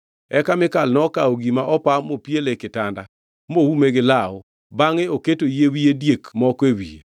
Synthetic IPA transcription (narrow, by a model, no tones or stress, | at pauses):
ɛkamɪkalnɔkaoɡimaʔɔpamopjelekɪtanda | mowumeɡɪlaʊ̰ | baŋeoketojewiedjekmɔkewḭḛ